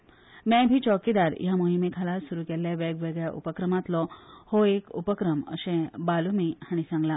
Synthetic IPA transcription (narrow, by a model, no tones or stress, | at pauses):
mɛ̃bʱiːt͡ɕɔkid̪aɾjamoɦimekʰalasuɾukeljaʋɛɡʋeɡjaʔṵpəkɾəmat̪lɔhoekṵpəkɾəmə̰ɕẽbalumihaɽ̃isãŋɡla